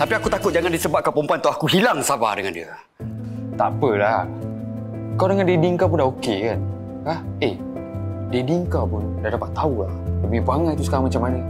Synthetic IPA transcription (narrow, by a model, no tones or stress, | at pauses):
t̪apiakut̪akʊt̪̚d͡ʒaŋandisəbaʔ̪̚kapompuant̪ɔʔakuɦilaŋsaba̰dəŋa̰ndiə̰ | t̪apəla | kalwdəŋandediŋkap̬undaokekan | kaheh | dediŋkawpundadapat̪ːaulahdəmipaŋat̪t̪usəkaɾaŋmat͡ʃamanə